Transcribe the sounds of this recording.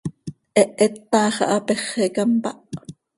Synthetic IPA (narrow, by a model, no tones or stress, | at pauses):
ʔɛʔet̪ːɑːχɑ̰ʔɑpeχekɑmpɑ̰ʔ